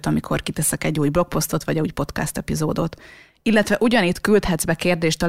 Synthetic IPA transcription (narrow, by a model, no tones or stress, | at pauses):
t̪ɒmikʰo̞̰rkit̪ɛsɛkɛɟːuːjblo̞k̚po̞st̪o̞t̪ʋɒɟuːjpo̞t̪ka̰st̪ɛpizoːd̪ot̪ | ilːɛt̪ʋɛʔuɟɒnit̪kylt̪hɛd̪zbɛkeːrd̪eːʃt̪ɒ